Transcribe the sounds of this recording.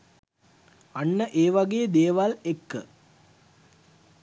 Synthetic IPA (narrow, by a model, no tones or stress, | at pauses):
ɐnːəʔeːʋɐɡɐjɐd̪eːʋalekːə